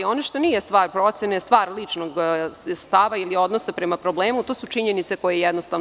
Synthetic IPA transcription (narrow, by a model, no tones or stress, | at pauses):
io̞naʃt̪onijest̪ʋaːɾpɾo̞t̪sjenest̪ʋaːɾlit͡ʂnoɡst̪aːʋailio̞d̪nosapɾemapɾo̞bleːmut̪oːsut͡ʂiɲenit̪se̞ko̞jejɛd̪nost̪aʋn